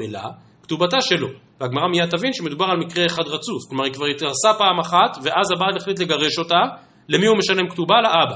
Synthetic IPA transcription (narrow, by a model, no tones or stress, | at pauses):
ela̰ | kt̪ubat̪aʃe̞lo̞veaɡmaʁamijat̪avinʃeme̞d̪ubaʁalmikʁeːχad̪ʁat͡susklomaʁikvaʁit̪ɡaʁsapaːmaχat̪veʔazabateχlit̪̬le̞ɡaʁe̞ʃo̞t̪a | le̞miume̞ʃale̞mkt̪ubalaʔaba